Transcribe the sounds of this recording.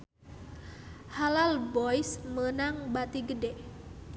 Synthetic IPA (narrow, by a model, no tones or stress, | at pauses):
halalbɔjsmənaŋbat̪iɡədɛ